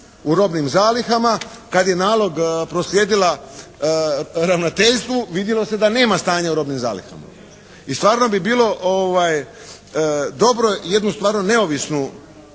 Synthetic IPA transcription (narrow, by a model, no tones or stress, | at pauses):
uɾo̞bnimzaːlixamakad̪je̞naːlˠo̞ɡpɾo̞slje̞ːd̪ila | ɾaʋnot̪e̞ʎst̪ʋuʋid̪jelo̞sed̪ane̞ːmast̪aːɲauɾo̞bnimza̰ːlḭxa̰ma̰ | ist̪ʋaːɾno̞bibiːlˠo̞ʔoʋaj | d̪o̞bɾo̞je̞d̪nust̪vʋaːɾnone̞o̞ʋisnu